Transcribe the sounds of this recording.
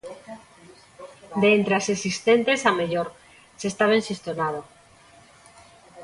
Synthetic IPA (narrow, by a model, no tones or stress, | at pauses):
d̪eent̪ɾeasesist̪ent̪esameʎoɾ | sest̪aβaẽnsist̪jonað̞o